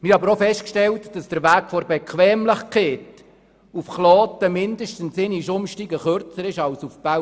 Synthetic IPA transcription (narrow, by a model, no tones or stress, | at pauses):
mɪɾɑbəɾofɛstkʃtɛltd̥ɑsd̥əɾʋæːkfoɾbɛkʰʋɛːmləχkʰeːt | ufχlɔːtəmɪndəʃtən̩sɪniʃʊmʃtiːɡəχøɾt͡səɾɪʃɑlsufb̥a